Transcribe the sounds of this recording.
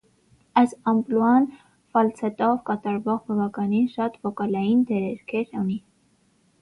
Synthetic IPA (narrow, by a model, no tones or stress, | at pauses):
ɑsɑmpluɑn | fɑlt͡sʰɛt̪ɔvkɑt̪ɑɾvɔʁbɑvɑkɑninʃɑt̪vɔkɑlɑjind̪ɛɾɛɾkʰɛɾuni